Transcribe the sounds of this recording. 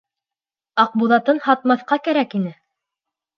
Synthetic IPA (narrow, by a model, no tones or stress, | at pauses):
ɑq̚buðɑt̪ɤnhɑt̪̚mɑθqɑkæɾækinɘ